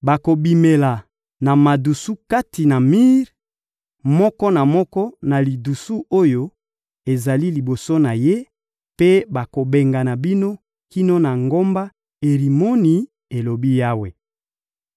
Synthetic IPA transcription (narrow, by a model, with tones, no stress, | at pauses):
ba˨ko˨bi˨me˨la˨ | na˨ma˨du˨su˦ka˦ti˨na˨mi˦ʁ | mɔ˦kɔ˦na˨mɔ˦kɔ˦na˨li˨du˨su˦o˦jo˦ | e˨za˨li˦li˨bo˨so˦na˨je˦ | pe˦ba˨ko˨be˨ŋɡa˨na˨bi˦no˦ | ki˦no˦na˨ŋɡo˦mba˦ | e˨ʁi˨mo˦ni˨ | e˨lo˨bi˦ja˦we˨